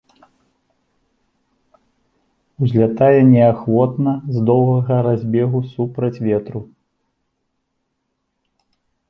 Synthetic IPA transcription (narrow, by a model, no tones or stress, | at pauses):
wzʲlʲat̪ajɛnʲɛaxvɔt̪nɐzd̪ɔwɣɐɣɐɾazʲbʲɛɣusupɾɐt͡sʲvʲɛt̪ɾu